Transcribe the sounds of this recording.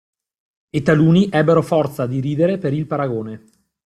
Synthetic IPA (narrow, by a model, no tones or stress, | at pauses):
et̪ːaluːniʔɛbːeɾofɔrt̪sad̪iɾiːd̪eɾepeɾilpaɾaɡoːne